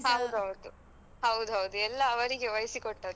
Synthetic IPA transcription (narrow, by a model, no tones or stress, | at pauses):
ɦɐwd̪uɦɐwd̪u | ɦɐwd̪uɦɐwd̪uɛlːɐːʋɐɾiɡeʋɐjsikoʈːɐd̪ɛ